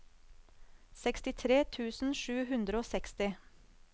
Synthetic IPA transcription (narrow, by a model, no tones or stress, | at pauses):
sɛkst̪ɪt̪ʰɾeːt̪ʰʉːsn̩ʃʉːɦʉnd̪ɾəoːsɛkst̪ɪ